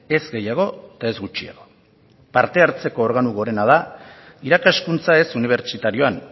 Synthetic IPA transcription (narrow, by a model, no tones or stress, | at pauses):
e̞zɡe̞jaɣ̞o̞t̪ae̞zɡut͡ʃia̰ɣo̞ | paɾt̪e̞aɾt͡se̞ko̞ːɾɣ̞anuɣo̞ɾe̞naða | iɾakaskunt͡sae̞suniβ̞e̞ɾt͡ʃit̪aɾio̞an